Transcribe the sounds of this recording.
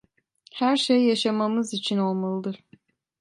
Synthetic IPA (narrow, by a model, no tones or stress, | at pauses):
hæɾʃejːaʃamamɯzit͡ʃʰino̞lˠmalˠɯd̪ɯɾ̥